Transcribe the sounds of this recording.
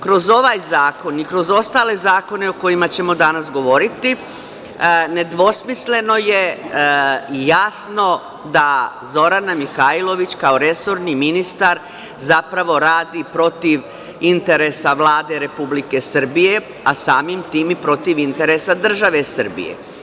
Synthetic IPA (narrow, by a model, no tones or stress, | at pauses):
kɾo̞zo̞ʋajzaːko̞nikɾo̞zo̞st̪ale̞zaːko̞ne̞o̞ko̞jimat͡ɕe̞mo̞d̪anasɡo̞ʋo̞ɾit̪i | ne̞d̪ʋo̞smisle̞no̞je̞ | jasno̞ | d̪azo̞ɾanamixailˠo̞ʋit͡ɕkaoɾe̞so̞ɾniminist̪aɾ | zapɾaʋo̞ɾaːd̪ipɾo̞t̪iʋ | int̪e̞ɾesaʋlˠaːd̪e̞ɾe̞publike̞sər̩bije̞ | asaːmimt̪iːmipɾo̞t̪iʋint̪e̞ɾesad̪r̩ʒaʋe̞sər̩bḭjḛ